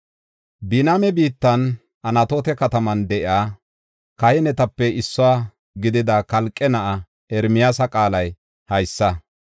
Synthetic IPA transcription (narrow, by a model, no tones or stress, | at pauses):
bɪnamɛbiːt̪ːɐn | ʔɐnɐt̪oːt̪ɛkɐt̪ɐmɐnd̪ɛʔɪaː | kɐhɛnɛt̪ɐpːɛɪsːɔwaː | ɡɪd̪ɪd̪ɐkɐlkʼːɛnɐʔɐ | ɛɾmɪjaːsɐkʼaːlɐj | hɐjsːɐ